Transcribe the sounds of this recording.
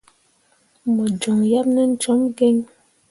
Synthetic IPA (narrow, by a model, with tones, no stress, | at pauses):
mɔ˨d͡ʒo˨ŋja˦p̚nə˦n̩˦t͡ʃɔ˨˦mɡe˦ŋ